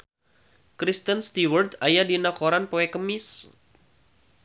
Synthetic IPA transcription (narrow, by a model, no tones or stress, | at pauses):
kɾist̪ənst̪iwərt̪ajadinakoɾanpoɛkəmɪs